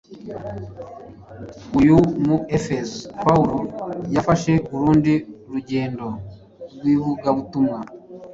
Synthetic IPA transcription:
ujumuefezpauɾojafaʃe̞βuɾuːndiɾuɟe̞ːndo̞ | ɾɡwiːβuɡaβutumŋa

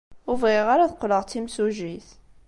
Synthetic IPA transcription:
ʊvʁiʁaɾaθəqːləʁt͡sːimsuʒiθ

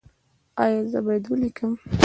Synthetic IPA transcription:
ɑjɑzəbajed̪wəlikʰəm

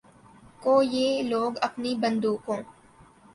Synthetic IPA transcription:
koːjeːloːɡɐpnibɐ̃nd̪uːkõː

